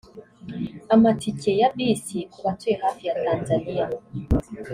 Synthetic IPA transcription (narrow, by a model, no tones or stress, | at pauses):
amatʰicʰejaɓisikwatwehafiatanzania